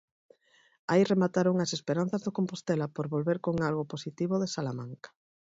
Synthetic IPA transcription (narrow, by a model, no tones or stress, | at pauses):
aijremat̪aɾoŋasespeɾan̟θazðokompost̪elapoɾβolβeɾkoŋalɣoposit̪iβ̞oðesalamãŋkḁ